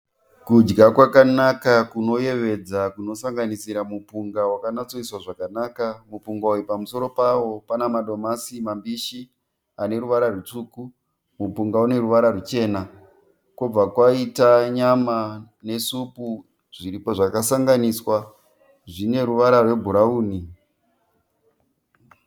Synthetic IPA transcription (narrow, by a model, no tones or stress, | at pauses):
kud͡ʒɡakwakanakakuno̞je̞ʋe̞d͡zakuno̞saŋɡanisiɾamupuŋɡawakanat͡so̞iswaʐakanakamupuŋɡaujipamuso̞ɾo̞pawo̞panamaɗo̞masimambiʃi | ane̞ɾuʋaɾarut͡ʂuːku | mupuŋɡaune̞ɾuʋaɾarut͡ʃe̞ːna | kob͡vakwaitaɲama | ne̞supu | ʐiɾipo̞ʐakasaŋɡaniswa | ʐine̞ɾuʋaɾarwe̞bʱuɾauːni